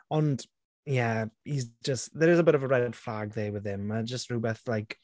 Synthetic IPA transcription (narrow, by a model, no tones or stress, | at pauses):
ə̃nd | jɛizd͡ʒəstðəɾɪzəbɪɾəvəɹɛd̥flaɡ̚ðewɪð̥hɪmːad͡ʒəstɹuːbɛθlajk